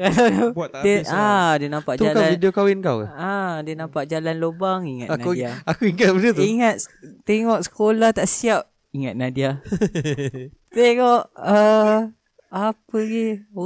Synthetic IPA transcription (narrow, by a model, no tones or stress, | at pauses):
aadəadənãmpaʔt̪ud͡ʒakaaidiokawinkawkaadənãmpaʔd͡ʒalanlobaŋiŋat̪naudiaakuiŋat̪̚bədəiŋat̪̚t̪eŋɔʔ̚sə̥kolaht̪aʔsiap̚ | iŋat̪̚nadia | t̪eŋɔʔə | apəɡi